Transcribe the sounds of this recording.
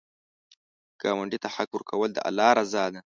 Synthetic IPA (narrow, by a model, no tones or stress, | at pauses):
kamɐɳɖit̪aħakːʊɾkʰawəld̪ə̰ʔa̰lːaːɾazaːd̪a